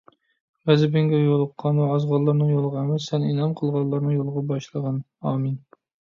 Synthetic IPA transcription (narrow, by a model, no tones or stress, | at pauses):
ʁæzɪbɪŋɡʲɛjolˠəqʰːɑnwɛɑzʁɑlːˠɑɾnɨŋjolˠʁɑæmɛsɛninɑmqʰəlˠʁɑllːˠɑɾnɨŋjolˠəʁɑbɑʃlˠəʁɑn | ɑːmin